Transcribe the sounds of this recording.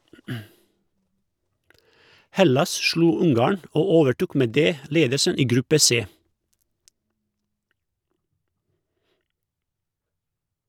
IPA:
ˈhɛlɑs ˈʃluː ˈʊŋˌɡɑːɳ ˈoː ˈoːʋəˌʈuːk ˈmeː ˈdeː ˈleːdəsən ˈiː ˈɡɾʉpə ˈseː

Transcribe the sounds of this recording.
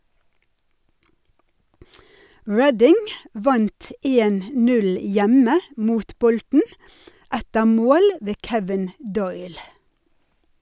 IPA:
ˈɹɛdɪŋ ˈʋɑnt ə ˈeːn ˈnʉl ˈjɛmə ˈmuːt ˈbɔltn̩ ˈætəɾ ˈmoːl ˈʋeː ˈkɛʋɪn ˈdɔʏl

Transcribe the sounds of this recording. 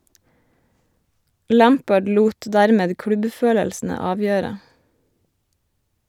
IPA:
ˈlæːmpəɖ ˈluːt ˈdæːɾmeːd ˈkɽʉbˌføːləlsn̩ə ˈɑːʋjøːɾə

